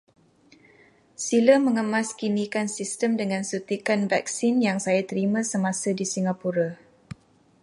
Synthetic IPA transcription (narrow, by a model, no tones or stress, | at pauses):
siləməŋəmãskinikansistəmdəŋãnsut̪ikanvak̚sinjaŋsajat̪əɾimãsəmãsadisiŋapuɾa